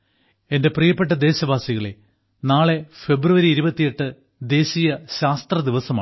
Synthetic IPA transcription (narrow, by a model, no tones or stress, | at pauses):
e̞nde̞prijɐpːe̞ʈ̬ːɐd̪e̞ːɕɐbaːsiɣɐɭe | naːɭe̞fe̞bruʋɐɾiːɾubɐt̪ːijeʈːɨ | d̪e̞ːɕijɐɕaːst̪rɐd̪iʋɐsɐma̰ː